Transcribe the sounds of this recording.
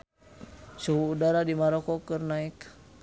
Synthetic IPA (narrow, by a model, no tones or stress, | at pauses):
suɦuːdaɾadimaɾɔkɔkɨrnaik